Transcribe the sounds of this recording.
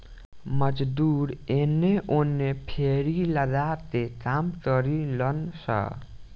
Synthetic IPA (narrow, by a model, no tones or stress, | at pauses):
mʌd͡ʒd̪uɾenːeʔonːepʰeɾiləd̪at̪ekamkʌɾilʌnsʌ̰